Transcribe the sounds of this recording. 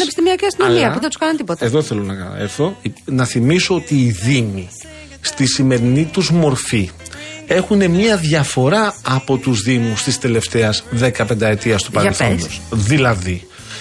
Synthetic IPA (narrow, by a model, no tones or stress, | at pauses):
nepist̪imiɐciɐst̪inomiɐpuðet̪u̥skɐnɐnt̪ipot̪ɐeðo̞θe̞lonɐkɐ̰eɾθo̞inɐθimiso̞ot̪iːðimi | st̪isime̞ɾinit̪uzmo̞ɾfi | e̞xune̞mɲɐðʝɐfo̞ɾɐɐpo̞t̪uzðimust̪ist̪e̞le̞ft̪e̞ɐzðe̞kɐpend̪ɐe̞t̪iɐst̪upɐɾlθonusðilɐði